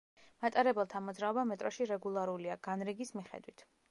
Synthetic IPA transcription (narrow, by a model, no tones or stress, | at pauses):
mat̪ʼaɾɛbɛlˠt̪ʰamɔd̪zɾaɔbamɛt̪ʼɾɔʃiɾɛɡulˠaɾuliaɡ̥anɾiɡismiχɛ̰d̪wit̪ʰ